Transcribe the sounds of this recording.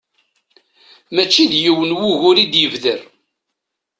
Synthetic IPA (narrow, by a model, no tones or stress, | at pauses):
mæt͡ʃːiðjəwənwuʝʊɾid̪jəvðəɾ